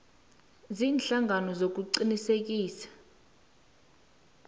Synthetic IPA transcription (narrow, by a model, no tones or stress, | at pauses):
ziːnɬaŋɡʱanɔzok̬uǀinisek̬iːsḁ